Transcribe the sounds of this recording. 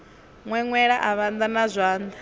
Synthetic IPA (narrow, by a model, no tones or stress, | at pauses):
ŋwɛŋwɛɺaʔaβand̪anazʷaːnd̪a